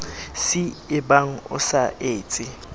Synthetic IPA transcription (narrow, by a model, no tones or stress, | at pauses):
sɪɪbaŋ̩ʊ̰saeːt͡sʼɪ